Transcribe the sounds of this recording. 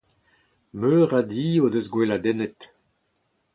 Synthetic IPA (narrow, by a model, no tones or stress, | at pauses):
møːʁadiːodøzɡwelad̪ɛnɛt̪